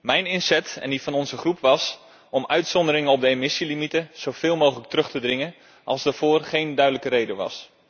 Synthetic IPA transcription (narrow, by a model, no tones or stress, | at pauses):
mɛjnɪnsɛtɛ̰ndifɑnɔnzəχrupʰʋɑs | ɔmœɥtsɔndəɾɪŋəɔp̚dəemɪsilimitəz̥owfɪːlˠmoːxələk̚trɵχtədrɪŋən | ʔɑ̰lˠsdavoːrχejndœɥdələkəɾejdəʋɑ̰s